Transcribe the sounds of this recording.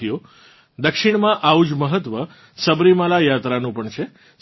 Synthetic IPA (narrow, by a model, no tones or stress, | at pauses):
ijo | d̪əkʃiɳ̃mãʔaud͡ʒməɦət̪ʋə | səbɾimalajat̪ɾanũpəɳt͡ʃʰe